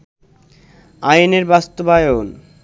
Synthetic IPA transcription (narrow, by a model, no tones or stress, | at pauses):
ajneɾbast̪obajon